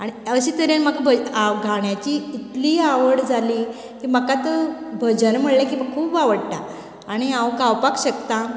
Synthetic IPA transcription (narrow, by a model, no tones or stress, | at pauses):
aɽ̃iəɕit̪əɾjenməkbʱəaɡʱaɳjat͡ɕiːt̪liːaʋəɽd͡zʱaliː | kiːməkat̪əbʱəd͡ʑənm̤əɽlakiːm̤akkʰuːbaʋəɽʈ̪a | aɽ̃iãwkawpakɕəkt̪ã